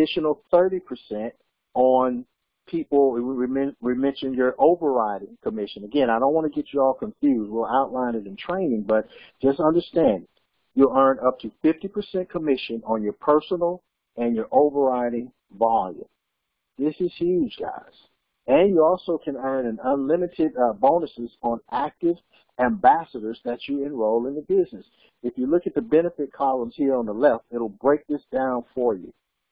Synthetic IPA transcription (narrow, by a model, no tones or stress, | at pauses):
ɪʃɨnl̩ˠθɜ˞ɾipʰə˞sɛ̃nt̚ | n̩ | pʰipl̩ˠmɛ̃ɹimɛ̃nʃɨ̃njə˞ʔoʊvə˞ɹaɪɾɪ̃ŋkʰəmɪʃɨ̃nəɡɛ̃ñaɪɾõʊ̃nʔwɑnɨɡɛt͡ʃɨɔlˠkʰɨ̃ɱfjʉzd̚wɪlˠaʊʔˡlãɪ̃nɨɾɨ̃n̩tʰɹ̥ẽɪ̃nɪ̃ŋbʌt̚d̥ʒ̥ʌstʌ̃ndə˞stæ̃ndɪ̃ | jəlˠɜ̃˞nʌp̚tʰɨfɪftipʰə˞sɛ̃nkʰəmɪʃɨ̃nə̃njə˞pʰɜ˞snl̩ˠ | ɨ̃njə˞ʔoʊvə˞ɹaɪɾɪ̃ŋ | vɑlˠjṵ̃m | ðɪsɨz̥hjʉd͡ʒɡa̰ɪz̥ | ɨ̃njɨɔlˠsoʊkʰɨ̃nɜ̃˞nɨ̃nʌ̃nlɪ̃mɨɾɪd̚bõʊ̃nɨsɪzn̩æk̚tɪv | æ̃mbæsəɾə˞zðɨt͡ʃə˞ɨ̃nɹoʊlˠɨ̃nðəbɪznɨs | ɨfjɨlʊkɨt̪̚ðɨbɛnɨfɨt̚kʰɑlˠə̃mz̥hiɹə̃nðəlɛftɪɾl̩ˠbɹeɪk̚ðɪsd̥ãʊ̃nfə˞jʉ̰